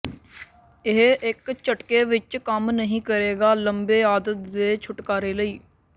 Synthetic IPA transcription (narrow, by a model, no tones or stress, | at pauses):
ɪɦɪkt͡ʃəʈkeːʋɪt͡ʃkəmnəɦĩːkəɾeːɡaːləmbeːaːd̪ət̪̚d̪eːt͡ʃʰʊʈkaːɾeːləiː